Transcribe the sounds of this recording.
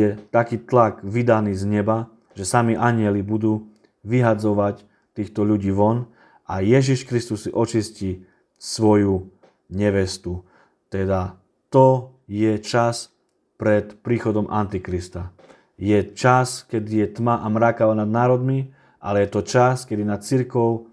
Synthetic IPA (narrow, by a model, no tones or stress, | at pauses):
ɛt̪akiːt̪laɡʋid̪aniːzɲɛba | ʒɛsamiʔaɲɪɛlibud̪uː | ʋiɦad͡zɔʋac | t̪iːxt̪ɔʎuɟiːʋɔn | ʔajɛʒiʃkɾist̪usiʔɔt͡ʃisci | sʋɔju | ɲɛʋɛst̪u | t̪ɛd̪a | t̪ɔjɛt͡ʃas | pɾɛt̪pɾiːxɔd̪ɔmʔa̰nt̪ikɾist̪a | jɛt͡ʃaskɛd̪ijɛt̪maʔamɾakaʋanad̪naːɾɔd̪mi | ʔa̰lɛjɛt̪ɔt͡ʃaskɛd̪inat̪̚t͡siɾkɔʊ